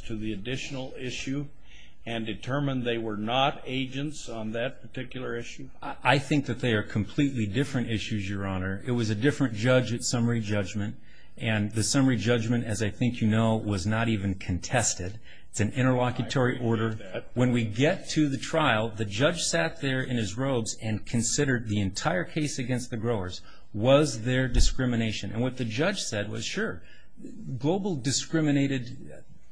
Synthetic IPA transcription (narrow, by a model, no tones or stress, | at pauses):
tʰɨðiɨdɪʃnl̩ˠɪʃʉ | ɨ̃ndɨtʰɜ˞mə̃nðeɪwə˞nəɾeɪd͡ʒɨ̃ntsn̩ðɨt̚pʰə˞tʰɪkjl̩ˠə˞ɪʃʉ | ʔaɪθɪ̃ŋk̚ðɨt̪̚ðe˞ə˞kʰm̩pʰl̥itˡlidɪfɹɨ̃ñtɪʃʉzjə˞ɑnə˞ʔɪt̚wʌzɨdɪfɹɨ̃nd̥ʒ̥ʌd͡ʒɨtsʌmə˞id͡ʒʌd͡ʒmɨ̃nt | ʔɨ̃nðɨsʌmə˞id͡ʒʌd͡ʒmɨ̃ntɨzaɪθɪ̃ŋkʰjɨnoʊwʌznəɾivɨ̃nkʰɨ̃n̩tʰɛstɨd | ɨtsɨ̃n̩ɪ̃ɾ̃ə˞lɑkjɨtʰɔɹiʔɔɹɾə˞ | wə̃nwiɡɛtʰɨðɨtʰɹ̥aɪl̩ˠðɨd͡ʒʌ̥ʒ̥sæt̪̚ðə˞ʔɪ̃nɨzɹoʊbzɨ̃nkʰɨ̃nsɪɾə˞d̪̚ðiɨ̃ntʰaɪə˞kʰeɪsɨɡɛ̃nst̪̚ðɨɡɹoʊə˞z̥ | wʌzðə˞dɨskɹɪ̃mɨneɪʃɨ̃nɨ̰̃nwʌt̪̚ðɨd͡ʒʌd̥ʒ̥sɛd̚wʌ̰z̥ʃʊɹ | ɡloʊbl̩ˠdɨskɹɪ̃mɨneɪɾɨd̚